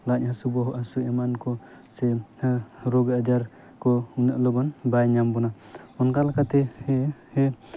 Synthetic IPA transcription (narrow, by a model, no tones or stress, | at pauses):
lac̚hasubɔɦɔʔasuɛmankɔ | sɛ | ɾɔɡad͡ʒaɾ | kɔuŋnəʔlɔbɔnbajɲambɔna | ɔnkalakat̪ɛhhɛ